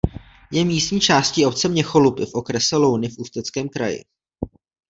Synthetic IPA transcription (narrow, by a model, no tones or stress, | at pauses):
jɛmiːstɲiːt͡ʃaːsciːʔo̞p̚t͡sɛmɲɛxo̞lupɪfʔo̞kɾɛsɛlo̞wnɪfʔuːst̪ɛt͡skɛːmkɾa̰jɪ̰